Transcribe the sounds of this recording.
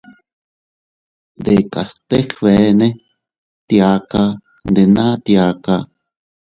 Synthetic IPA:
d̪eka˨st̪e˦χβe˨ne˦ | t̪ja˧ka˧ | nd̪e˨na˦t̪ja˧ka

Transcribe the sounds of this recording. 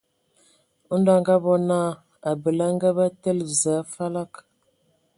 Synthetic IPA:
ɔ˦n˦da˨ŋɡa˦bɔ˦na˦˨ | a˨bə˨la˦ŋ˦ɡa˦ba˦tə˦lzaː˨˦fa˦la˦k

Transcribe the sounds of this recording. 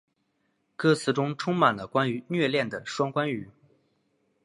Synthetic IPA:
kɤ˥˩t͡sʰɹ̩˥˩ʈ͡ʂʊ˥ŋʈ͡ʂʰʊ˥ŋma˨˩nlə˦kwa˥ny˧˥nɥɛ˥˧ljɛ˥˩nd̪ə˩ʂwɑ˥ŋkwa˥ny˨˩˦

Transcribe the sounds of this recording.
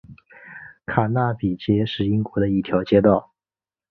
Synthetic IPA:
kʰa˨˩na˥˩pi˨˩t͡ɕjɛ˥ʂɻ̩˥˩i˥ŋkwɔ˧˥d̪ə˧i˥˩t̪ʰjɑ˧˥ʊt͡ɕjɛ˥t̪ɑ˥˩ʊ

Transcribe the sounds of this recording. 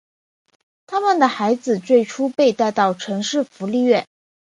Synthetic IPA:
t̪ʰa˥mə˨nd̪ə˩xa˧˥ɪd͡zɹ̩˨˧t͡swe˥˩ɪʈ͡ʂʰu˥pe˥˧ɪt̪a˥˧ɪt̪ɑ˥˩ʊʈ͡ʂʰɤ˧˥ŋʂɻ̩˥˩fu˧˥li˥˧ɥɛ˥˩n

